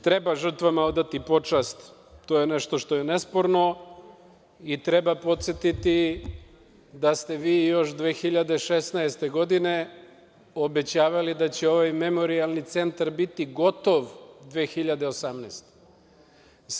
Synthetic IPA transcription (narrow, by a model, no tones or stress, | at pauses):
t̪ɾebaʒr̩t̪ʋamaod̪at̪ipo̞t͡ʂast̪t̪oːjeneʃt̪o̞ʃt̪o̞jenespo̞ɾno̞ | it̪ɾe̞bapo̞t̪set̪it̪i | d̪ast̪e̞ʋiːjo̞ʃd̪ʋeːxiʎad̪e̞ʃesnaest̪e̞ɡo̞d̪ine̞ | o̞be̞t͡ɕaːʋalid̪at͡ɕeo̞ʋajme̞mo̞ɾialˠnit̪se̞nt̪aɾbit̪iɡo̞t̪o̞ʋd̪ʋe̞ːxiʎad̪e̞osamnɛːst̪e̥